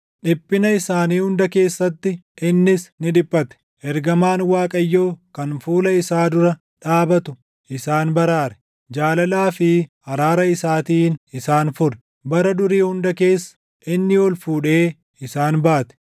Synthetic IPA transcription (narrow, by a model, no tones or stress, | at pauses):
ᶑɪpːɪnɐɪsaːniːhʊnd̪ɐke̞ːsːɐt̪ːɪɪnːɪsnɪᶑɪpʼːɐt̪ɛ̥ | ʔɛɾɡɐmaːnwaːkʼɐjːoːkɐnfuːlɐɪsaːd̪ʊɾɐ | ᶑaːbɐt̪ʊ | ʔɪsaːnbɐɾaːɾɛ̥ | d͡ʒaːlɐlaːfɪ | ɐɾaːɾɐɪsaːt̪iːnɪsaːnfʊɾɛ̥ | bɐɾɐd̪ʊɾiːhʊnd̪ɐke̞ːsːɐ̥ | ʔɪnːɪɔlfuːᶑe̞ː | ɪsaːnbaːt̪ɛ̥